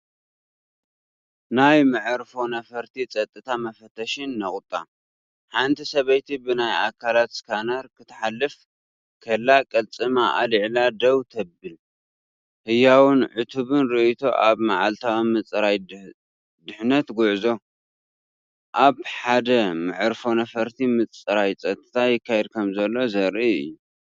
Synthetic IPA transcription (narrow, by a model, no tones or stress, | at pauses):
najmɨʕɾfo̞nɐfɐɾt̪ʰit͡sʼɐt̪ʼːɨt̪ʰamɐfɐt̪ʰɐʃinːɐχʼt̪ʼːa̰ | ħant̪ʰisɐβɐjt̪ʰibɨnaja̰kʰːalat̪skʰanɐɾkɨt̪ʰɐ̥ħalːɨf | kʰɐlːakʼɐlt͡sʼɨmaʔa̰lɨʕlad̪ɐwt̪ʰɐbɨl | hɨjːawʊnʕʊt̪ʰuβɨnɾɨʔit̪ʰo̞̰ʔa̰βmaʕalt̪ʰawmɨt͡sʼɾaj | d̪ɨħnɐt̪ɡʊʕzo̞ | ʔaβħad̪ɐmɨʕɨɾfo̞nɐfɐɾt̪ʰimɨt͡sʼɨɾajt͡sʼɐt̪ʼɐ̥t̪ʰajɪkʰːajɛd̪̚kʰɐmzɐlːo̞zɐɾʔiɨ̰jːu